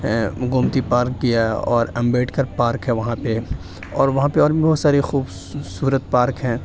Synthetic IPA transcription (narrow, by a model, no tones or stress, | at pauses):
ɡʊmt̪ipaːɾk̚ɡijaɔːɾɐ̃mbeːʈʰkɐɾpaːɾkɦɛ̃ʋɐɦãpe | ɔːɾʋɐɦãpeɔːɾbʱĩbɔːt̪saːɾixuːb | suːɾət̪̚paːɾkɦɛ̃ː